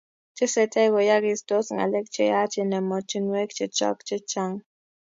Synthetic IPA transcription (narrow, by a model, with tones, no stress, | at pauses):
t͡ʃɪ˦sɛ˨tɛ˦ɡɔ˨ja˦ɡɪ˨sdo˦sŋa̰˨lɛ˦kt͡ʃɛ˦ja˦t͡ʃɪ˦nɛ˨mɔ˨t͡ʃi˦nwɛ˦k̚t͡ʃɪ˦t͡ʃɔ̰˦kt͡ʃɪ˦t͡ʃa˦ŋ